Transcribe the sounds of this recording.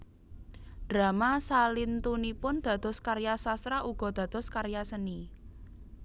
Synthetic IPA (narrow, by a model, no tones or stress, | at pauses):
d̥ɾa̤masalint̪unipʊnd̪̥a̤d̪̥ɔ̤skarjasast̪ɾaʔuɡ̥ɔ̤d̪̥ä̤d̪̥ɔ̤skaɾjasəni